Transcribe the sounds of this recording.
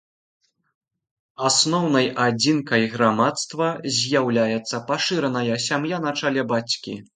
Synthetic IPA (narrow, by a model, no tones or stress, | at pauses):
asnɔwnɐjʔad͡zʲinkɐjɣɾamat̪st̪vɐzʲjawlʲajɛt̪sːɐpaʂɨɾɐnɐjɐsʲamjan̪at͡ʂalʲɛbat͡sʲkʲḭ